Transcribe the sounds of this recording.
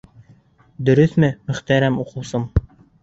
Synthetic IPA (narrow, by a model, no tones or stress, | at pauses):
d̪ɵ̆ɾɵθmɘmɵ̆χt̪æɾæmuqɤ̆wsom